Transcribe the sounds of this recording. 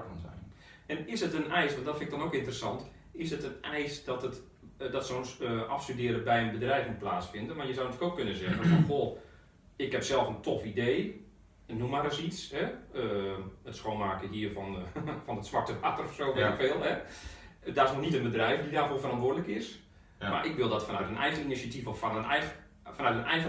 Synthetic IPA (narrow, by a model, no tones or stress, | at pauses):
fɔnzɛ̰jn | ɛnɪsətənɛjsʋɔndɔtfɪnɪɡdɔnowkɪntərəsɑnt | ɪsətənɛjsdɔtət | dɔtsonsəʔɑ̰fstydɪəɾəbɛjənbədrɛjfmut̚plaːsfɪndənmarjəzawnətyːəkowkønəzɛɣənfɔnxolˠ | ɪkhɛpsɛlˠfəntʰofideː | numaɾəsitsɦɛəətsxoːnmaːkəɦiərfɔnfɔnətsʋak̚təʋaːtərɔfsoːʋɛɪkfeːlˠɦɛ | daɪsnɔnitənbədrɛjfdidaːrfoːfərɑntʋʊːɹdələkɪs | ma̰rʔɪkʋɪlˠdɔtfanœɥtənɛjɣəninisatifɔfanənɛ | fanœtənɛjɣə